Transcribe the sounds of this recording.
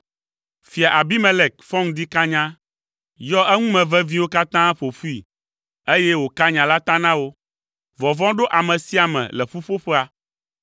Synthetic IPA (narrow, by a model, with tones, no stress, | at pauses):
fi˨a˨ʔa˨bi˦mɛ̃˦le˨k̚fɔ̃˦ŋd̪i˦ka˦ɲã˦ | jɔ˦ɛ˦ŋũ˦mɛ̃˨vɛ˦vĩ˦wo˦ka˦t̪ã˦ɸo˨fu˦ḭ˨ | e˦jɛ˦wo˨ka˦ɲã˨la˦t̪ã˦nã˦wo˦ | vɔ˨vɔ̃˦ɖo˦ʔa˨mɛ̃˨si˦a˨mɛ̰̃˨lɛ˨ɸu˦ɸo˦ɸɛ˦a˨